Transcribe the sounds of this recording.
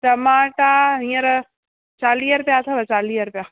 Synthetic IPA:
ʈɐmaːʈaɦĩːə̃ɾ | t͡ʃaːliːɐɾpjaːt̪ʰaʋət͡ʃaːliːɐɾpjaː

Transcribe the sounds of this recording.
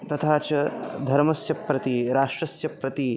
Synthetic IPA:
t̪ɐt̪ʰaːt͡ʃɐd̪ʱɐɾmɐsjɐpɾɐt̪iɾaːʂʈɾɐsjɐpɾɐt̪i

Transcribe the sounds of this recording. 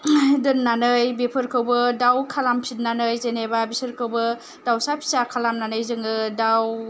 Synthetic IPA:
dɯnːanɯjbepʰɯɾkʰɯwbɯdawkʰalampʰit̚nanɯjzenebabisɯɾkʰɯwbɯ | dawsapʰi̥sakʰalamnanɯjzɯŋɯdaw

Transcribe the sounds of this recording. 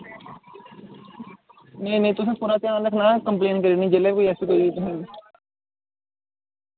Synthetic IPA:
neːnẽːt̪ʊs̬ẽːpuɾãːt̪ɪãːnləkʰnãːkəmpleːnkəɾiniːd͡ʒeːlɛːkoːiɛːsiːkoːiit̪ʊsĩː

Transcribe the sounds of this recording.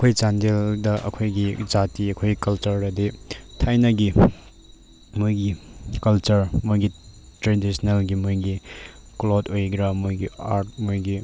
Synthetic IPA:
kʰojt͡ʃandeldɐʔɐ̰kʰojɡid͡ʒatiɐkʰojɡikɐlt͡ʃɐɾɐditʰajnɐɡi | mujɡikɐlt͡ʃɐɾmojɡi | tɾedisnelɡimujɡi | klotojɡɾamojɡia̰ɾt̚mojɡi

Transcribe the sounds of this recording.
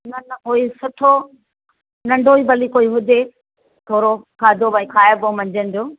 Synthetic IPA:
nɐnʊisʊʈʰo | nɐ̃ɳɖʱoiːbɐlikoiɦʊd͡ʑe | t̪ʰoːɾokʰaːd͡ʑobɐĩkʰaːjəbomɐ̃ɲd͡ʑənɪ̆d͡ʑoː

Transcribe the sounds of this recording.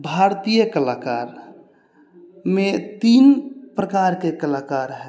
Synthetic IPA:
bʱaɾt̪ijəkəlakaɾ | met̪inpɾəkaɾkekəlakaɾɦɛ

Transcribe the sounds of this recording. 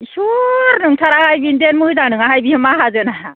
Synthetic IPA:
suɾnɯŋtʰaɾahajbindenmɯɯzaŋnɯŋaɦajbihɯmaɦazɯna

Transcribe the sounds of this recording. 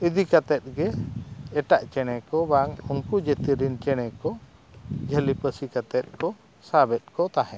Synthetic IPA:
id̪ikat̪ɛt̪̚ɡɛː | ʈaʔt͡ʃɛɽ̃ɛkɔbaŋuŋkud͡ʒət̪iɾint͡ʃɛɽ̃ɛkɔ | d͡ʒʱəlipəsikat̪ɛt̪̚kɔ | sabɛt̪̚kɔt̪aɦɛ̃

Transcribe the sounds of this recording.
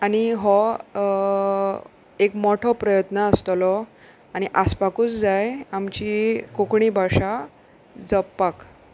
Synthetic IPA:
añiɦɔ | ekmɔʈʰɔpɾəjət̪nəːst̪lɔ | añiʔaspakuːt͡sd͡zajamt͡ɕikokɳibʱaʂa | d͡zəpːak

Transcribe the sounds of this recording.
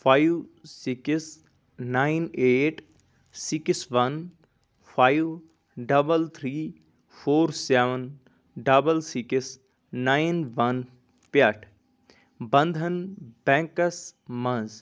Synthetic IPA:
pʰaːjʋsiks | naːjneːʈ | siksʋɐn | pʰaːjʋ | ɖɐbəlt̪ʰɾiː | pʰoːɾsɛʋən | ɖɐbəlsiksː | aːjnʋɐn | paʈʰ | bɐnd̪ʱɐnbɛ̃ːŋkɐsmɐ̃nz

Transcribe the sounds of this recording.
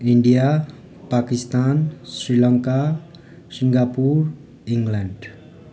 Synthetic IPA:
iɳɖija | pakist̪ansrilʌŋka | siŋɡapur | iŋɡlaɳɖ

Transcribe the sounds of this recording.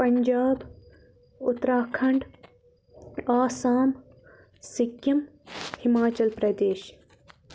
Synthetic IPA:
pɐɲd͡ʒaːb | ʊt̪ɾaːkʰɐɳɖ | aːsaːm | sɪkjɐmhimaːt͡ʃɐlpɾɐd̪eːʃ

